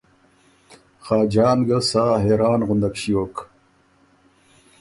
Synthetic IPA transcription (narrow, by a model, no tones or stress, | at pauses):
xaːd͡ʑaːnɡɐlsaːɦeːɾaːnʁund̪ɐkɕijoːk